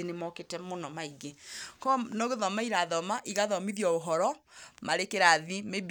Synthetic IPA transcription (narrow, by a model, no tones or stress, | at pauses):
enemɔketɛmonɔmaiɣekɔnɔɣeðɔmaiɾaðɔmaʔiɣaðɔmiðjɔoɦɔɾɔmaɾekeɾaðimeb